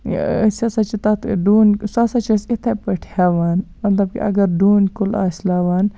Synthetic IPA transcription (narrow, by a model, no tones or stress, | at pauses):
sɐsɐt͡ʃit̪ɐt̪ʰɖuːnsasɐt͡ʃisit̪ʰɐpɐʈʰaʋaːnmɐt̪lɐb̚kḭɐ̰ɡɐɾɖuːnkʊla̰ːslaːʋaːn